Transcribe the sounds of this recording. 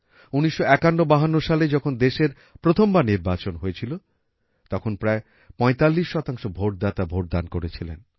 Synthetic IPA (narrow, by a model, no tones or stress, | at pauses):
uniʃːoɛkanːobaɦanːoʃaled͡ʑɔkʰond̪eʃeɾ | pɾot̪ʰombaniɾbat͡ɕonɦoet͡ɕʰilo | t̪ɔkʰonpɾae | pɔet̪alːiʃːɔt̪aŋʃobʱoʈ̚d̪at̪abʱoʈ̚d̪ankoɾet͡ɕʰilḛn